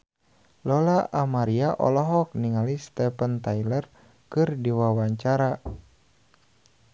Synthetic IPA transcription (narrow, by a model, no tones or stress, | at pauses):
lɔlaʔamaɾiaʔɔ̰lɔɦɔk̚niŋalist̪ɛpənt̪ajlər | kɨrdiwawaɲt͡ʃaɾa